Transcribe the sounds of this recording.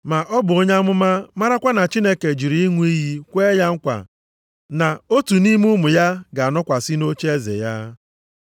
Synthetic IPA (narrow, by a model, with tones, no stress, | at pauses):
ma˨ʔɔ˦bʊ˨o˦ɲa˦a˦mʊ˦ma˦ma˦ɾa˦kʷa˦na˨t͡ʃi˦ne˦ke˨d͡ʒi˨ɾi˨˦i˦ŋʷu˦i˦ɦi˦kʷe˦ja˦ŋ̩˦kʷa̰˨ | na˨o˦tu˨ni˦mu˦mʊ˨ja˦ɡa˨a˨nɔ˦kʷa˨sɪ˦no˦t͡ʃe˦zḛ˨ja˦